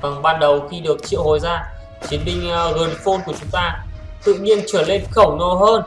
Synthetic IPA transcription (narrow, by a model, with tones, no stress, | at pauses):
a˨˩ŋɓaː˧nɗə˨˩wxi˧ɗɨ˨˩ək̚t͡ɕḭ˧˨əwho˨˦jzaː˧ | t͡ɕwi˨˦ənɓï˧ŋ̟ɣɨ˨˩ənfo˧nku˧˩ət͡ɕʊ˨˦ŋ͡mt̪aː˧ | t̪ɨ̰˧˨ɲi˧ənt͡ɕəː˧˩le˧˨nxə˧˩wnɔ˨˧˩ɦəː˧n